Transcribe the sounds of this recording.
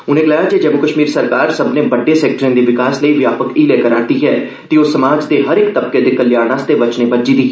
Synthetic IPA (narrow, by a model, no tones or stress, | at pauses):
ʊnẽːɡəlaːjaːd͡ʒeːd͡ʒəmʊkəʃmiːɾsəɾkaːɾsəbneːbəɖːeːsɛːk̚ʈɾẽnd̪eːʋɪkaːsləiːʋjaːpəkiːlɛːkəɾaːd̪iːɦɛː | t̪eːosːəmaːd͡ʒd̪eːɦəɾɪkt̪əb̚keːd̪eːkəlɪjaːɽ̃ãːst̪eːbət͡ʃneːbəd͡ʒiːd̪iː